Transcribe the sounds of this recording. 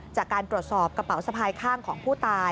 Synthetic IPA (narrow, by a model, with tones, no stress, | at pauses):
t͡ɕaː˨˩kːaː˧nt̪ɾu˨˩ət̪̚sɔː˨˩p̚kɾa˧pa˨˩˦wsa˧pʰaː˧jkʰaː˥˩ŋkʰɔː˩˦ŋpʰuː˥˩t̪aː˧